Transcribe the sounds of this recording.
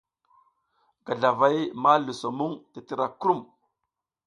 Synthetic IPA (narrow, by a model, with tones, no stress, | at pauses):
ɡa˨ɮa˨va˦jma˦lu˨so˨mu˦ŋti˨ti˦ɾa˨kɾu˦˨m